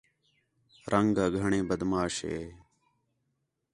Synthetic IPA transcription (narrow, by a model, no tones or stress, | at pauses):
ɾʔəŋɡaːɡʱəɳẽːbəd̪maːʃḛː